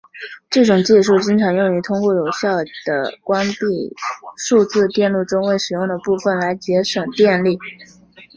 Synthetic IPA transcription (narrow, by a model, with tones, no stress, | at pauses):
ʈ͡ʂɤ˥˩ʈ͡ʂʊ˨˩ŋt͡ɕi˥˧ʂu˥˩t͡ɕi˥ŋʈ͡ʂʰɑ˧˥ŋjʊ˥˩ŋy˧˥˩t̪ʰʊ˥ŋkwɔ˥˩jo˨˩ʊɕjɑ˥˩ʊd̪̥ə̰˩kwa˥npi˥˧ʂu˥˧t͡sɹ̩˥˧t̪jɛ˥˧nlu˥˩ʈ͡ʂʊ˥ŋwe˥˩ɪʂɻ̩˨˩jʊ˥˩ŋd̪ə˩pu˥˩fə˨˩nla˧˥ɪt͡ɕjɛ˧˥ʂɤ˨˩ŋt̪jɛ˥˧nli˥˩